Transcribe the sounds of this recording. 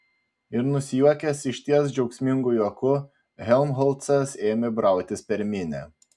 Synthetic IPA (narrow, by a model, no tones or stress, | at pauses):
ɪɾnʊsʲɪjuɔkʲɛsɪʃʲt̪ʲiɛs̬d͡ʒɛʊksʲmʲɪŋɡʊjuɔkʊ | ɦʲɛlˠmɦɔlˠt̪sɐseːmʲebɾɑˑʊt̪ʲɪspʲɛɾʲmʲɪnʲɛ̰